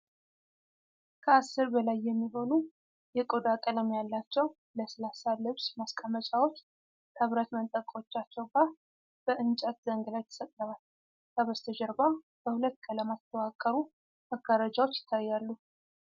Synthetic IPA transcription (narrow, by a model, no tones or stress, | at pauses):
kʰəasːɨɾbəlajːɛmːiɦo̞nu | jɛkʼod̪akʼələmjalːat͡ʃːɛw | ləsəlasalɨβsmaskʼamːət͡ʃʼawo̞t͡ʃː | k̪ʰəβɾət̪mənt̪ʼəkʼwo̞t͡ʃːat͡ʃːɛwɡa | b̥əʔɨnt͡ʃʼət̪̚d̪əŋɡəlajt̪ʰə̥sət̪ʼləβal | kʼəβəst̪ʰəd͡ʒəɾba | b̥əhulət̪ːkʰələmast̪ʰəwakʼːəɾu | maɡaɾad͡ʒawo̞t͡ʃːjɪ̥t̪ʰːajːalːu